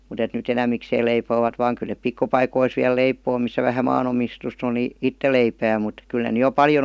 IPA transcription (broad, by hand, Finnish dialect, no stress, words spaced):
mut et nyt enæmːikseːl leipoːʋɑt ʋɑːŋ kyl̆ nep pikːupɑikois ʋiæl leipoː misːæ ʋæhæ mɑːnomistust on ni itːe leipæː mut kyl ne ny jo pɑljon